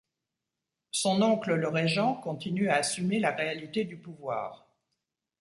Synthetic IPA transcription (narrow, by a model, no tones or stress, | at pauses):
sɔ̃nɔ̃klələʁeʒɑ̃kɔ̃t̪inyaːsymelaʁealit̪ed̪ypuvwa̰ːʁ